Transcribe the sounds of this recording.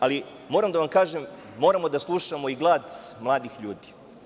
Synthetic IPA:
ali | moːɾamd̪aʋamkaːʒemː | oɾamo̞d̪aslˠuʃamo̞iɡlˠaːd̪mlˠaːd̪ixʎuːd̪i̥

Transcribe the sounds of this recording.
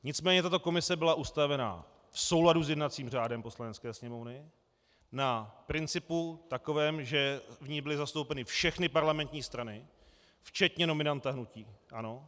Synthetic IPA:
ɲɪt͡smɛːɲɛt̪at̪o̞ko̞mɪsɛbɪlaʔust̪avɛna̰ | fso̞wladuzjɛdnat̪t͡siːmr̝aːdɛmpo̞slanɛskɛːsɲɛmo̞vnɪ | napɾɪnt͡sɪput̪ako̞vɛːmʒɛvɲibɪlɪzast̪owpɛnɪfʃɛxnɪpaɾlamɛnt̪ɲiːst̪ɾanɪ | ft͡ʃɛt̪ɲɛno̞mɪnant̪aɦnuciːʔano̞

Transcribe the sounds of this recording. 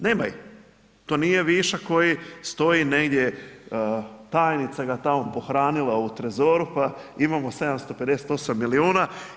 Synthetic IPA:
neːmaji | t̪o̞ːnije̞ʋiʃako̞jist̪o̞jine̞ɡd̪je̞ | t̪aːjnit̪saɡat̪amopo̞xɾaːnilˠaut̪ɾezo̞ːɾupaimamo̞se̞d̪amst̪o̞pe̞d̪e̞se̥t̪o̞samːiliuːna

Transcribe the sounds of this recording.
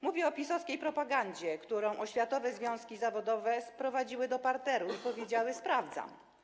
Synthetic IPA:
muvʲjɛɔpʲisɔskʲejpɾɔpaɡaɲd͡ʑɛkt̪uɾɔ̃w̃ʔɔɕfʲjat̪ɔvɛzvʲjɔ̃w̃skʲizavɔd̪ɔvɛspɾɔvad͡ʑiwɘd̪ɔpaɾt̪ɛɾupɔvʲjed͡ʑawɘspɾavd̪za̰m

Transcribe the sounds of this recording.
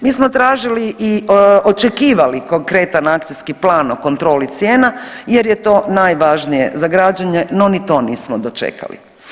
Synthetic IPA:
miːsmot̪ɾaːʒiliʔiot͡ʃekiːʋaliko̞ŋkɾe̞t̪anakt̪siskiplaːnoko̞nt̪ɾo̞ːlit̪sjeːnajeɾjet̪o̞ːnaːjʋaʒnijḛzaɡɾad͡ʑaɲeno̞nit̪o̞ːniːsmod̪o̞t͡ʃḛkʰa̰lḭ

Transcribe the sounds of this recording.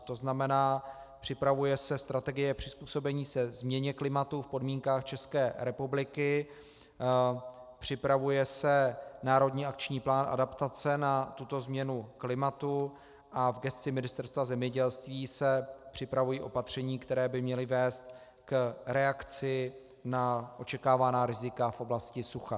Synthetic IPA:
t̪o̞znamɛnaː | pr̥ɪpɾavujɛsɛst̪ɾat̪ɛɡɪjɛpr̝̥ɪspuːso̞bɛɲiːsɛzmɲɛɲɛklɪmat̪ufpo̞dmiːŋkaːxt͡ʃɛskɛːɾɛpublɪkɪ | pr̥ɪpɾavujɛsɛnaːɾo̞dɲiːak̚t͡ʃɲiːplaːnʔa̰dapt̪at͡sɛnat̪ut̪o̞zmɲɛnuklɪmat̪u | ʔavɡɛst̪t͡sɪmɪnɪst̪ɛɾst̪vazɛmɲɛɟɛlst̪viːsɛpr̝̥ɪpɾavujiːʔo̞pat̪r̝̥ɛɲiːkt̪ɛɾɛːbɪmɲɛlɪvɛːst̪ | kɾɛakt͡sɪ | naʔo̞t͡ʃɛkaːvanaːɾɪzɪkafʔo̞blascɪsuxa

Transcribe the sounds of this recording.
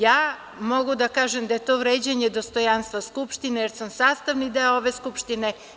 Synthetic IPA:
jaː | mo̞ɡud̪akaːʒemd̪aje̞t̪oːʋɾed͡ʑaɲed̪ost̪o̞janst̪ʋaskupʃt̪inejeɾsamsaːst̪aʋnid̪eoʋeskupʃt̪ine

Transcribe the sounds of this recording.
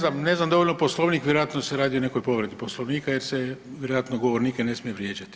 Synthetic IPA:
namne̞znamd̪o̞ʋolʲnoposlˠoʋniːkʋjeɾojat̪noseɾaːd̪io̞ne̞kojpo̞ʋɾe̞d̪iposlˠoʋniːkaje̞ɾseʋjeɾojat̪noɡoʋoɾniːkene̞smije̞ʋɾjeːd͡ʑat̪i̥

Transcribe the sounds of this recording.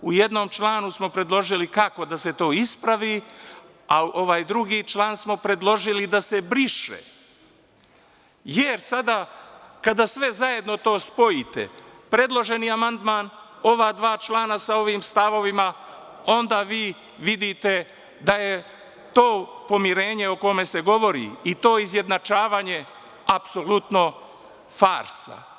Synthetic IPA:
ujed̪no̞mt͡ʃlˠaːnusmo̞pɾe̞d̪lˠo̞ʒilikako̞d̪ase̞t̪o̞ːispɾaʋi | auʔoʋaːjd̪ɾuɡiːt͡ʃlˠaːnsmo̞pɾe̞d̪lˠo̞ʒilid̪ase̞bɾiʃḛ | jeɾsad̪akad̪asʋe̞zaje̞d̪no̞t̪o̞ːspo̞jit̪ḛpɾe̞d̪lˠo̞ʒe̞niamand̪maːn | o̞ʋad̪ʋaːt͡ʃlaːnasao̞ʋiːmst̪aʋo̞ʋima | o̞nd̪aːʋiː | ʋid̪it̪e̞ | d̪aje̞ | t̪o̞ːpo̞miɾe̞ːɲe̞oko̞me̞se̞ɡo̞ʋo̞ɾḭit̪o̞ːizje̞d̪nat͡ʃaːʋaːɲe̞ | apso̞lut̪no̞ | faːɾsa̰

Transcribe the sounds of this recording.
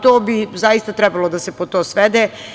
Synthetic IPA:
t̪oːbizajist̪at̪ɾebalˠod̪asepot̪oːsʋed̪eː

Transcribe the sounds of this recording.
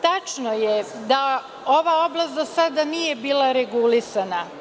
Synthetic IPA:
t̪at͡ʃnojed̪a | o̞ʋao̞blast̪d̪osad̪anijebiːlˠaɾeɡulisana

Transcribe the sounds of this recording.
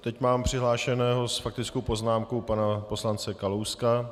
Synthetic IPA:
t̪ɛcmaːmpr̝̥ɪɦlaːʃɛnɛːɦo̞sfak̚t̪ɪt͡skowpo̞znaːmkopanapo̞slant͡sɛkalowska

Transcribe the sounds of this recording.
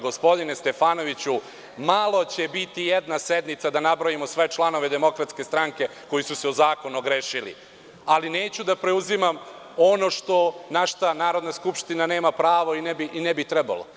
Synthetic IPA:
ɡo̞spo̞d̪inest̪e̞faːno̞ʋit͡ɕu | malˠo̞t͡ɕebit̪ijed̪nased̪nit̪sad̪anabɾojimo̞sʋe̞t͡ʃlˠano̞ʋe̞d̪e̞mo̞kɾat̪skest̪ɾaŋke̞ko̞jisuseozaːko̞nuɡɾeʃilḭ | alineːt͡ɕud̪apɾe̞uzimam | o̞no̞ʃt̪o̞naʃt̪anaːɾo̞d̪naskupʃt̪inane̞ːmapɾaːʋo̞inebiʔinebit̪ɾɛba̰lo

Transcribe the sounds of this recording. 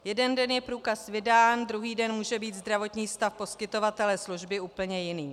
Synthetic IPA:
jɛdɛndɛnjɛpɾuːkasvɪdaːnd̪ɾuɦiːdɛnmuːʒɛbiːt̪zd̪ɾavo̞t̪ɲiːst̪afpo̞skɪt̪o̞vat̪ɛlɛsluʒbɪuːpl̩ɲɛjɪniː

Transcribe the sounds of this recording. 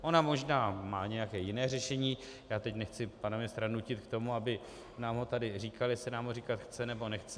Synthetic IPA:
ʔo̞namo̞ʒnaːmaːɲɛjakɛːjɪnɛːrɛʃɛɲiː | jaːt̪ɛcnɛxt͡sɪpanamɪst̪ɾanucɪt̪kt̪o̞muabɪ | naːmɦo̞t̪adɪriːkaljɛsɪnaːmɦoriːkat̪xt͡sɛnɛbo̞nɛxt͡sɛ

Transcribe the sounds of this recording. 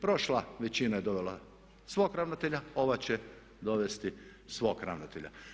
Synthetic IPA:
pɾo̞ʃlaʋet͡ɕinaje̞d̪o̞ʋela | sʋoːkɾaʋnot̪eʎao̞ʋat͡ɕe | d̪o̞ʋe̞st̪isʋo̞ːkɾa̰ʋnot̪eʎa̰

